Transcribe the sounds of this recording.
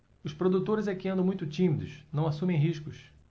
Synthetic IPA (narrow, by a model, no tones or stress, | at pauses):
ʊspɾod̪ut̪oɾɪzɛkɪɐ̃nd̪ʊmũj̃t̪ʊt͡ʃĩmid̪ʊsnɐ̃w̃asũmẽj̃ɦiʃkʊʃ